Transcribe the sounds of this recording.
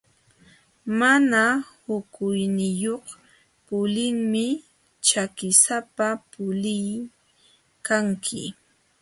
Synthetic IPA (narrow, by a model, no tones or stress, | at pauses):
manahʊkʊjnɪjoχ | pʊlɪŋmɪ | t͡ʃakɪsapapʊlɪj | kaŋkʰɪ̰